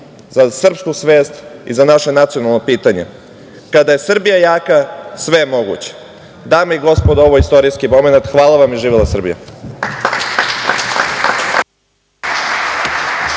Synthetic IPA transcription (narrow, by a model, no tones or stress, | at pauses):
zasr̩pskusʋe̞ːst̪ḭzanaʃe̞nat̪sijo̞nalˠnopiːt̪aɲḛ | kad̪aje̞sr̩bijajaːkasʋe̞emo̞ɡṵt͡ɕe̥ | d̪aːmeiɡo̞spod̪o̞ʋoist̪o̞ɾijskimo̞me̞nat̪xʋaːlˠaʋamiʒiːʋilˠasr̩bḭja̰